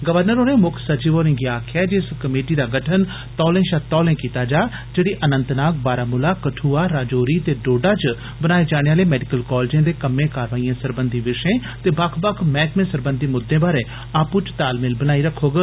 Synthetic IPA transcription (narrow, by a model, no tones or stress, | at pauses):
ɡəʋəɾnəɾoːnẽːmʊkʰsəd͡ʒiːʋoːɾɪ̃ŋɡiaːkʰɛːd͡ʒɪskəmeːʈiːd̪aːɡəʈʰən | t̪ɔːlẽːʃat̪ɔːlẽːkiːt̪aːd͡ʒaː | d͡ʒeːɽiːʔənə̃nt̪naːk̚baːɾaːmʊlaːkəʈʰuːaːɾaːd͡ʒoːɾiːt̪eːɖoːɖaːt͡ʃ | bənaːeːd͡ʒaːɽ̃eːaːleːmɛːɖɪkəlkɔːld͡ʒãːd̪eːkəmːẽːkaːɾʋaːijãːsəɾbənd̪iːʋɪʃẽːt̪eːbakʰbəkʰmɛ̃ːkmẽːsəɾbənd̪ʱiːmʊd̪ːẽːbaːɾẽː | aːpʊt͡ʃt̪aːlmɪlbənaːiːɾəkʰːoːɡə